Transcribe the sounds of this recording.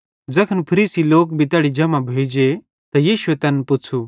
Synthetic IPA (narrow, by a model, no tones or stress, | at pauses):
d͡zɐkʰənpʰɐɾiːsiloːkbʱit̪ɛːɽid͡ʒɐmabʱeːid͡ʒe | t̪ɐjiːʃuet̪ɐnpʊt͡sʰu